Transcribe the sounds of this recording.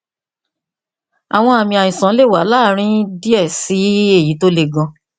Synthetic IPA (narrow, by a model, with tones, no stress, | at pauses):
a˨w̃ɔ̃˧˦a˨mĩ˧a˨jĩ˨sã˨˦le˦˨wa˨˦laː˦ɾ̃ĩ˦di˦ɛ˦˨si˨˦e˦˨ji˨˦to˦le˧ɡɔ̃˧